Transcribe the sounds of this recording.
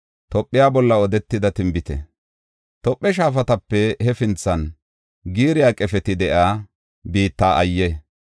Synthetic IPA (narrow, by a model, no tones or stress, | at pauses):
t̪ɔpʼːɪjaːbɔlːɐɔd̪ɛt̪ːɪd̪ɐt̪ɪmbɪt̪ɛ̰ | t̪ɔpʼːɛʃ̬aːfɐt̪ɐpːɛhɛfɪnt͡sːɐn | ɡiːɾɪjaːkʼɛfɛt̪ɪd̪ɛʔaː | biːt̪ːaːʔɐjːɛ